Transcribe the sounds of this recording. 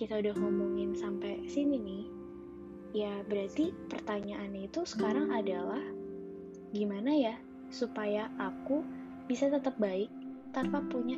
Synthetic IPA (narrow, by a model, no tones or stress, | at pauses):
kit̪audahŋomuŋɪnsampasininɪh | jabəɾat̪ipərt̪aɲaʔːnit̪usə̥kaɾaŋadalah | ɡimanaja | supajaʔaku | bisat̪ət̪əp̚baɪk̚t̪anpapuɲa